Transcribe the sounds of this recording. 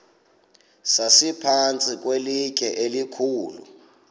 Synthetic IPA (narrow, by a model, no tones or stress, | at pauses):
sasipʰant͡sʼik̬ʼwelik̬ʰʼɛʔelikʰuːlṵ